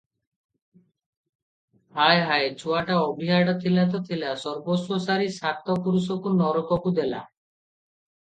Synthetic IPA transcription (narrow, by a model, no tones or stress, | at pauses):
ɦajɦaed͡ʒʰʱuaʈaɔbʱiɦaɽɔt̪ʰilat̪̬ɔt̪ʰilasɔɾbososaɾisat̪ːɔpuɾusokunɔɾɔkɔkud̪ela̰